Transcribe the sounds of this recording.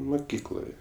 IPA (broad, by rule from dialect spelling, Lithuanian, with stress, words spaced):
mʊˈkʲiːklˠoːjɛ